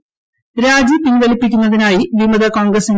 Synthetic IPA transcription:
ɾaːd͡ʑipinʋɐlipːikʲːunːɐðinaːjiʋimɐðɐkoːŋɡɾɐsin

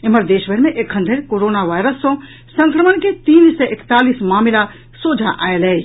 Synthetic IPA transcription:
ɪməɾd̪eːʃbʱəɾmẽʔekʰə̃nd̪ʱeɾkoːɾoːnaʋaːjɾəsːõ | sə̃ŋkɾəmənket̪iːnseʔɪkt̪aːlismaːmɪla | soːd͡ʒʱaʔa̰ːelɛː

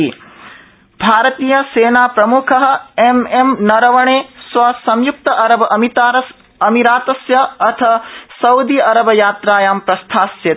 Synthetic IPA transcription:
bʱaːɾɐt̪iːjɐseːnaːpɾɐmukʰɐɦɐ̆ememnɐɾɐʋɐɳeːsʋɐsɐmjuk̚t̪ɐʔɐɾɐbʱɐʔɐmit̪aːɾɐs | ɐmiɾaːt̪ɐsjɐɐt̪ʰɐsɐwd̪iɐɾɐbʱɐjaːt̪ɾaːjaːmpɾɐst̪ʰaːsje

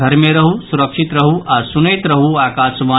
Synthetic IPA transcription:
ɐɾmẽɾɐɦusuɾəkʂit̪ɾɐɦuʔaːɾsunɐjt̪ɾɐɦuaːkaːʃʋaː

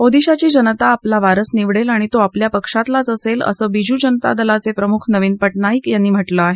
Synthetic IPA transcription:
od̪iɕat͡ɕiːd͡ʑənət̪aːplaʋaɾəsniʋɽelaɽ̃it̪oapljapəkʂat̪lat͡səselə̰səːbid͡ʑuːd͡ʑənət̪a̰d̪əlat͡sepɾəmukʰnəʋiːnpəʈnaiːkjanːiːm̤əʈləaɦe

